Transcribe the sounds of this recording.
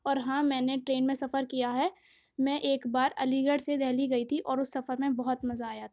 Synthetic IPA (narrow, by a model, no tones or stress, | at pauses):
ɔːɾɦãːmɛ̃ːneʈɾeːnmẽsɐfəɾkijaɦɛː | mɛ̃ːʔeːkbaːɾɐ̰liɡəɽsed̪ʱɛːliɡɐit̪ʰiʔɔːɾʊsːɐfəɾmẽbɐɦʊt̪mɐzaːjat̪ʰḁː